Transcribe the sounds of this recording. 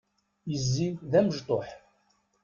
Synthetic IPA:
jəzːiðæməʒt̪ˤoħ

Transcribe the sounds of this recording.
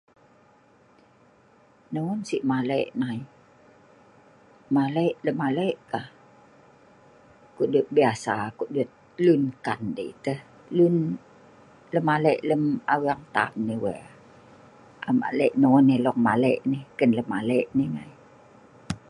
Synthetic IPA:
nonsiʔmaləʔnai | maləʔləmaləʔkah | kuʔdut̪̚biasakuʔdut̪̚lunkandə̰it̪əh | lun | ləmaləʔləmawiaŋt̪a̰mniwɛ | a̰ma̰ʔləʔnonːelɔŋ̚maləʔnikənləmaləʔnihŋa̰j

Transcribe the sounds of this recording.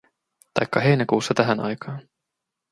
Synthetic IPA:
t̪ɑ̰jkːɑɦe̞jnækuːsːɑt̪æɦænʔɑ̰jkɑːn

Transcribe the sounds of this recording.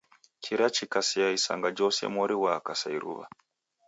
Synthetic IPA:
kʰiɾat͡ʃikasiaisa̰ŋɡad͡ʒɔsɛ̰mɔɾiwakasaiɾṵβa̰

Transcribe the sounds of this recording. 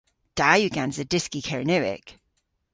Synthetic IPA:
d̥ajʉɡãnzədɪskikʰɛɹənɛwɪ̰k

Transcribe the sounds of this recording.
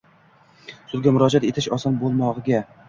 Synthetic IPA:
sʊd̪ɡʲamʊɾɒd͡ʒat̪et̪ʰɪʃɒsɒnbolˠmɒʁɨɡʲa

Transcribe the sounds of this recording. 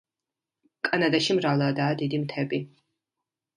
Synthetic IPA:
kʼanad̪aʃimɾavlˠɛd̪aːd̪id̪imt̪ʰɛbi

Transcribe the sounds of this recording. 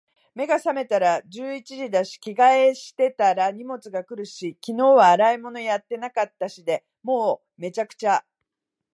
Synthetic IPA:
me̞ɡasame̞t̪aɾad͡ʑɨːit͡ɕiʑid̪aɕi̥kʲiɡae̞ɕi̥t̪e̞t̪aɾaɲ̟imo̞t͡sɨɡakɯ̟ɾɯ̟ɕikʲino̞ːβaːɾaimo̞no̞jat̪ːe̞nakat̪ːaɕid̪e̞ | mo̞ː | me̞t͡ɕakɯ̟̥t͡ɕa

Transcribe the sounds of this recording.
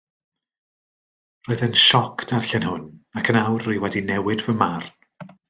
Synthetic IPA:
roɨðənʃɔkʰd̥ʰarɬɛnhʊnakʰənawruɨwɛdinɛwɪdvəmarn

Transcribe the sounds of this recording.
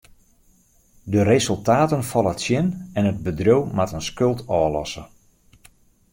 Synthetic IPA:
dəɾezɵlˠtaːtənfɔlˠətsjɪnɛnəd̚bədrowmatənskɵlˠtʰɔːlɔsə

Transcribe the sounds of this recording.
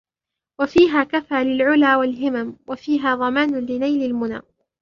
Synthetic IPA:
wafiːɦaːkafaːlɪlʕʊlaːwalɦɪmamwafiːɦaːðˤɑmaːnʊlɪnajlɪlmʊna̰ː

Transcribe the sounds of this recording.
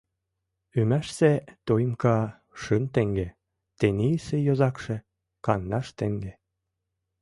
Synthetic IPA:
ymæʃset̪ojmkɑ | ʃɯnt̪eŋɡe | t̪eniisejozɑkʃĕ | kɑnːɑʃt̪eŋɡe

